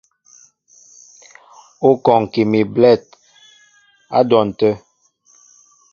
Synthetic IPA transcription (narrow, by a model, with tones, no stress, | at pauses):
o˦kɔ˨ŋ˨ki˨mi˨blɛ˦˨t̚ | a̰˦dɔ˨n̩˨tə˦